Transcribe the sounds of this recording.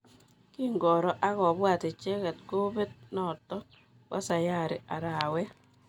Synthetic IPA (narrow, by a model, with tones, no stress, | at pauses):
ki˦ŋɡɔ˨ɾɔ˦ʔa˦kɔ˨bwa˨te˨t͡ʃe˦kɛ˨tko˦be˦t̚nɔ˨tːɔ˦ | ka̰˦sa˨ja˦˨ɾɪ˨a˨ɾa˨wɛ˦